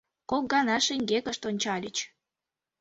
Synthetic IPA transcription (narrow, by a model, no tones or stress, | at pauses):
kok̚ɡɑnɑʃiŋɡekəʃt̪onʲt͡ɕɑlʲit͡ɕ